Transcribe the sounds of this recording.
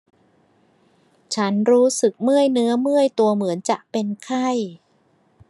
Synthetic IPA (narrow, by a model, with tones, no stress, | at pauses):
t͡ɕʰa˦˥nɾuː˦˥sɯ˨˩k̚mɯ˥˩əjnɯ˦˥ɐmɯ˥˩əjt̪u˧əmɯ˩˦ənt͡ɕa˨˩ʔpe˧nkʰa˥˩j